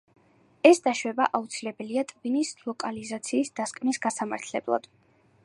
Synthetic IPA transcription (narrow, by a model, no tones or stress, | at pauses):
ɛsd̪aʃwɛbaʔaut̪sʰilɛbɛliat̪ʼvinislˠɔkʼalizat̪sʰiːsd̪̥askʼmnisɡasama̰ɾt̪ʰlɛ̰blˠa̰d̪̥